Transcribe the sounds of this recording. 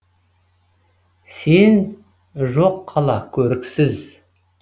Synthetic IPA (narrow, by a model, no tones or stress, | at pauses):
se̞n | ʒoqʰːɑlˠɑkʲʰɵɾɪksɪz